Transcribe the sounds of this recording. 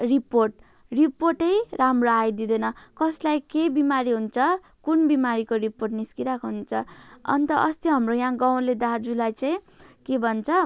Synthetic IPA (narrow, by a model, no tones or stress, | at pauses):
riporʈ̚ | riporʈʌjramroajd̪id̪ʌnʌkʌslajkebimaɾiɦunt͡sʰʌ | kunbimaɾikoriporʈniskiɾakoɦunt͡sʰʌʌ̰nt̪ʌʔʌst̪iɦʌmrojãɡaw̃led̪ad͡zulajt͡saĩ | kebʱʌnt͡sʰʌ